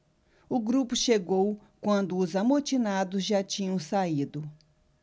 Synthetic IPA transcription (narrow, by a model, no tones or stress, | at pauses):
ʊɡɾupʊʃeɡow | kwɐ̃nd̪ʊːzamot͡ʃinad̪ʊzʒat͡ʃĩɲɐ̃w̃said̪ʊ